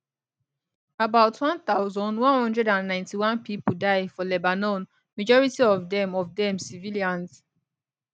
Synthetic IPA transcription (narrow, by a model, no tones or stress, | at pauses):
abaʊtʰwɔ̃nt̪aʊzɔ̃ndwɔ̃nhɔ̃ndɹɛdãnːãɪ̃ntiwãnpipudaɪfɔlɛbanɔ̃n | mad͡ʒɔɹitiɔvdɛ̃mɔvdɛ̃msiviliãns